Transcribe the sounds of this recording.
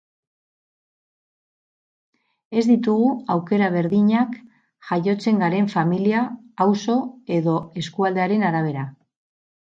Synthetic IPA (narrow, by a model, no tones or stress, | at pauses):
e̞zd̪it̪uɣuawke̞ɾaβe̞ɾðiɲak | ʝajo̞t͡se̞ŋɡaɾe̞ɱfamiliaː | wso̞e̞ðo̞e̞skuald̪e̞aɾe̞naɾaβ̞e̞ɾa